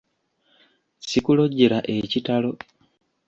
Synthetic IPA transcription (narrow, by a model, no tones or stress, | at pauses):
sikuloɟːeɾaʔecitalo̞